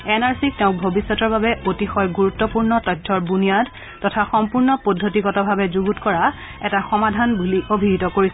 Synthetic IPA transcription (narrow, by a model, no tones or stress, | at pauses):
ɛnaɹsik̚tɛʊ̃k̚bʱobisːɔtɔɹbabɛʔotixɔjɡuɹutːɔpuɹnɔtɔjtʰːɔɹbunijad | tɔtʰaxɔmpuɹnɔpodʱːotikɔtɔbʱabɛzuɡutkɔɹa | ɛtaxɔmadʱanbuliʔobʱiɡitɔkoɹisɛ